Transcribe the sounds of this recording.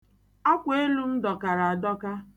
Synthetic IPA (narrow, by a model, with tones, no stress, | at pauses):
a˦kʷe˦lu˦m̩˦dɔ˨ka˨ɾa˨a˨dɔ˦ka˦